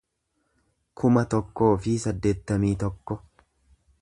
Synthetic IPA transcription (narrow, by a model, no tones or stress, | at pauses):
kʰʊmɐt̪ɔkːo̞ːfɪsɐd̪ːe̞ːt̪ːɐmiːt̪ɔkːɔ